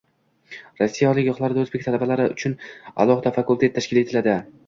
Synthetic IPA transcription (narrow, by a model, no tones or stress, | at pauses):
ɾɒsːijaɒlɪkʲjɒχlˠaɾd̪aɵzbe̞k̚ʲt̪ʰalabalaɾɪʊ̰t͡ʃʰʊna̰lˠɒhɨd̪afakulˠt̪ʰe̞t̪ʰːaʃkʲɪle̞t̪ʰɪlad̪ɪ